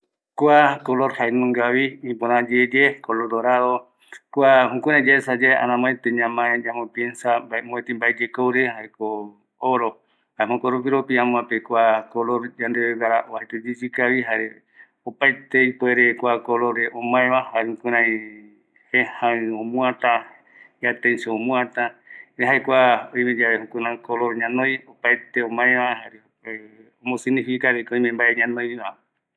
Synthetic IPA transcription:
kʷakoloɾhaenũŋɡaβiĩpõɾãd͡ʒed͡ʒekoloɾd̪oɾaðo | kʷahũkʷũɾ̃ãj̃d͡ʒaesad͡ʒaeʔa̰nãmãẽt̪eɲãmãẽd͡ʒamopjensambaemõẽt̪ĩmbaed͡ʒekowɾehaeko | oɾo | haeɦõkoɾopiɾopiãmũãpekʷakoloɾd͡ʒand̪eβeɡaɾaʔoahet̪ud͡ʒid͡ʒikaβiɦaɾe | opajt̪eipeɾekʷakoloɾeʔõmãẽβahaɾeũkɨ̃ɾ̃ãj̃ | hehãõmũãt̪a | jat̪ẽnseõmũãt̪aɾeɦaekʷaoĩmẽd͡ʒaβehũkɨ̃ɾãkoloɾɲãnõj̃opajt̪eõmãẽβaɦaɾe | eomõsinĩfikaɾekõj̃mẽmbaʔeɲãnõjβa

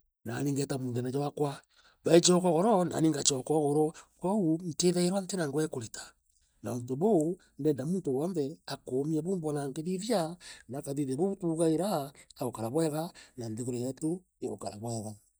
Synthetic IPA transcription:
naniːŋɡɛtamuŋɡɛnad͡ʒawakwa | βaet͡ʃɔkɔɣoɾɔna̰niŋɡat͡ʃɔkɔɣoɾɔkoun̩teðaiɾwantenaŋɡwɛkoɾitḁ | naontoβo | ndɛːndamuːntowɔnðɛakomiaβoːmbɔnaŋɡeðiβjanakaðiðeβoβutuɣaiɾaːɣokaɾaβwɛɣananðeɣoɾojato | eɣo̰kaɾa̰βwɛɣa

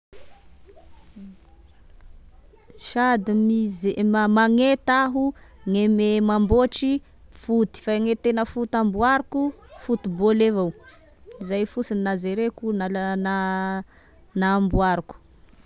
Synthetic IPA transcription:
ʃad̪imizeamaŋet̪aɦuŋememamboʈ͡ʂi | fut̪i̥faŋet̪enəfut̪ambuaɾuku | fut̪ubolevaw | izajfusininazeɾekunalna | nambuaɾuku̥

